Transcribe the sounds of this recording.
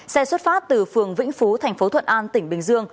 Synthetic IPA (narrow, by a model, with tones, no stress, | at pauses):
sɛ˧swə˦˥t̚faː˦˥p̚t̪ɨ˨˩fɨ˨˩əŋvḭ˧˥ŋ̟fu˨˦t̪ʰɛ˨˩jŋ̟fo˨˦t̪ʰə̰˧˨nʔaː˧nt̪ï˧˩ŋ̟ɓï˨˩ŋ̟zɨ˧əŋ